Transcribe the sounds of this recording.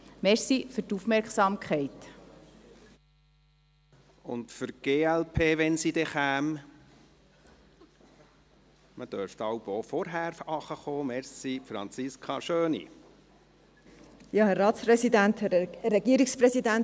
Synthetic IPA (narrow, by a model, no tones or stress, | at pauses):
mɛɾsifʏɾtufmɛɾksɑmkχɛɪt | ʊ̰ntfʏɾɡ̥eːɛlpʰeːʋɛnsidɛχæːm | məd̥œɾftɑwbofɔɾɦæːɾɑχəχoːmɛɾsifɾɑ̰nt͡sɪskʰχɑʃøːnḭ | jɑːhɛɾɾɑːtspɾɛsidænt̪hɛɛɡiəɾikspɾɛsidænt